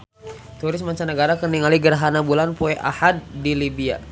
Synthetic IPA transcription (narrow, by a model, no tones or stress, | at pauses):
t̪uɾɪsmaɲt͡ʃanəɡaɾakəniŋaliɡərɦanabulanpoɛʔa̰had̚ːilibia̰